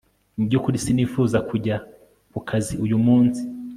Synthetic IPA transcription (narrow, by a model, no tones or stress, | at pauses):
nibɟukuɾisiniːfuːzakʰuɟa | βukʰaziujumuːnsi̥